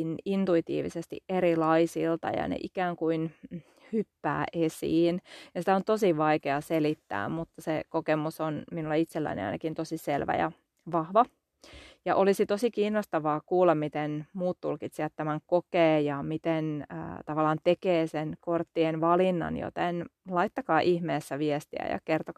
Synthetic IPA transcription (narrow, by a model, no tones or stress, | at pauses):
nint̪uit̪ḭːʋḭsest̪ḭʔeɾilɑisilt̪ɑ̰jɑ̰nḛʔikæːŋkuin | hypːæ̰ːʔesḭːnjɑsi̥t̪æont̪osiʋɑikeɑselit̪ːæ̰ːmmut̪ːɑsekokemusonminulːeit̪selːæ̰inḛɑ̰inɑkint̪osiselʋæ̰jɑ̰ | ʋɑhʋɑ | jɑʔolisit̪osikiːnːost̪ɑʋɑːkuːlːɑmmit̪enmuːt̪t̪ulkit̪siɑt̪t̪æmæŋkokeːjɑmit̪enə̰ːt̪ɑʋɑlːˑɑːnt̪ekeːsenkort̪ːienʋɑlinːɑ̰njo̰t̪enlɑit̪ːɑkɑːʔihmeːsːæʋiest̪ḭæ̰jɑ̰kert̪o